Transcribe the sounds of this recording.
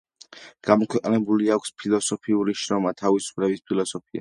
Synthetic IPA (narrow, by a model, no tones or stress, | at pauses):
ɡ̥amɔkʰwɛqʼnɛbuliakʷʰspʰilˠɔsɔpʰiuɾiʃɾɔmat̪ʰavisu̥pʰlɛbispʰilˠɔsɔpʰia̰